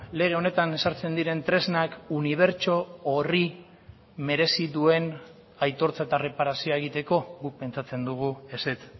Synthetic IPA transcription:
le̞ɣ̞e̞one̞t̪ane̞saɾt͡se̞nd̪iɾe̞nt̪ɾe̞znakuniβ̞e̞ɾt͡ʃo̞ːri | me̞ɾe̞siðue̞n | ajt̪o̞ɾt͡saet̪are̞paɾasioaeɣ̞it̪e̞ko̞ɣukpe̞nt͡ʃat͡se̞nd̪uɣ̞ue̞set͡s̪

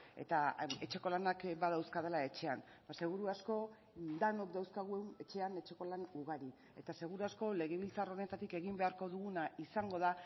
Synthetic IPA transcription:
e̞̰t̪ae̞t͡ʃe̞ko̞lanakbaðawskaðelae̞t͡ʃe̞anbase̞ɣ̞uɾuasko̞ | d̪ano̞k̚d̪awskaɣ̞uene̞t͡ʃe̞ane̞t͡ʃe̞ko̞lanuɣaɾi | e̞t̪ase̞ɣuɾuasko̞le̞ɣe̞β̞ilt͡saro̞ne̞t̪at̪ike̞ɣimbe̞aɾko̞ðuɣunaisaŋɡo̞ð̞a

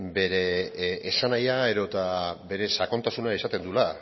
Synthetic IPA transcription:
be̞ɾe̞ːsanajae̞ðo̞t̪abe̞ɾe̞sako̞nt̪asunaisat̪e̞nd̪ula

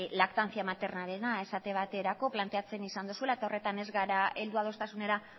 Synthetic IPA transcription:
lakt̪ant͡siamat̪e̞rnale̞nae̞sat̪e̞β̞at̪e̞ɾako̞plant̪e̞at͡se̞nisand̪usuelae̞t̪ao̞re̞t̪ane̞zɣaɾae̞ld̪uað̞o̞st̪asune̞ɾa

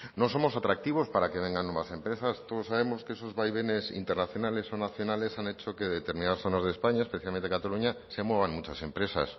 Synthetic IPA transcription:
noso̞mosat̪ɾak̚t̪iβ̞ospaɾakeβ̞eŋɡanːweβasẽ̞mpɾesast̪oðosaβe̞moskeesozβajβ̞enesḭnt̪eɾnaθjonale̞so̞naθjo̞nale̞sanet͡ʃokeðet̪eɾmĩnaðasθo̞nazðespaɲaespeθjalment̪ekat̪aluɲasemweβ̞anmut͡ʃase̞mpɾe̞sa̰s

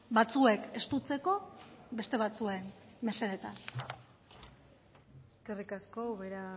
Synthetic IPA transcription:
bat͡sue̞ke̞st̪ut͡se̞ko̞be̞st̪e̞βat͡suenme̞seɾet̪an | eske̞rikasko̞βeɾa

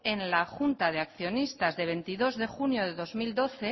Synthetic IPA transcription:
enlaxunt̪að̞eakθjo̞nist̪azðe̞β̞e̞nt̪iðo̞zðe̞xunjo̞ð̞e̞ðo̞zmild̪o̞θe̞

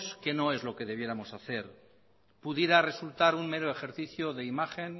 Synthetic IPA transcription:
ske̞no̞e̞zlo̞ke̞ðe̞β̞je̞ɾamo̞saθe̞ɾ | puðje̞ɾare̞sult̪aɾunme̞ɾoe̞xe̞ɾθiθjoðe̞imaχe̞n

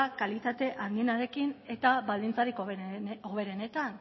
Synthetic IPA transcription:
akalit̪at̪e̞ʔaŋɡ̪ienaɾe̞kine̞t̪aβald̪int͡saɾikooβe̞ɾe̞ne̞t̪an

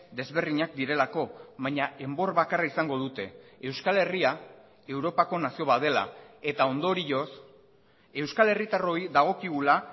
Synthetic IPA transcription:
d̪e̞zβe̞rðiɲak̚d̪iɾe̞lako̞βajɲaʔe̞mbo̞rβakaraisaŋɡo̞ð̞ut̪e̞ːwskale̞ria | e̞wɾo̞pako̞nasio̞βaðe̞la̰e̞t̪ao̞nd̪o̞ɾios | e̞wskale̞rit̪aro̞jðaɣ̞o̞kiɣ̞ula

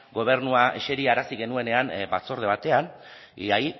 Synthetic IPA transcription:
ɡo̞β̞e̞ɾnuaʔe̞ʃe̞ɾiaːɾasiɣe̞nue̞ne̞ambat͡so̞ɾðe̞β̞at̪e̞an | aj

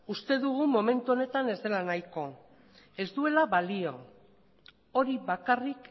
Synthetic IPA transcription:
ust̪e̞ðuɣ̞umo̞me̞nt̪uo̞ne̞t̪ane̞zd̪e̞lanajko̞ | e̞zd̪ue̞laβalio̞ | o̞ɾiβakarik

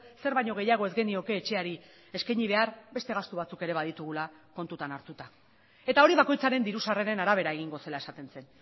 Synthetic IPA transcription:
se̞ɾβajɲo̞ɣe̞jaɣ̞o̞e̞zɡenio̞ke̞ːt͡ʃe̞aɾi | e̞skajɲiβ̞e̞arbe̞st̪e̞ɣ̞ast̪uβ̞at͡suke̞ɾe̞β̞aðit̪uɣ̞ula | ko̞nt̪ut̪anaɾt̪ut̪a | e̞t̪ao̞ɾiβako̞jt͡saɾe̞nd̪iɾusareɾe̞naɾaβ̞e̞ɾae̞ɣ̞iŋɡo̞se̞lae̞sat̪e̞nse̞n

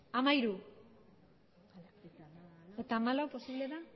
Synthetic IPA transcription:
amaiɾu | et̪aːmalawposiβle̞ða

